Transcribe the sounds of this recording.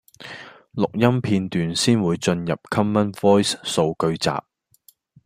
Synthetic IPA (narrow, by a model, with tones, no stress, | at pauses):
lʊ˨k̚jɐ˥mpʰiː˧nt̪yː˨nsiː˥nwuː˨˧jt͡sɵ˧njɐ˨p̚kʰɐ˥mːɐ˥nvɔː˥jsso˧wkɵ˧ɥt͡sa̰ː˨p̚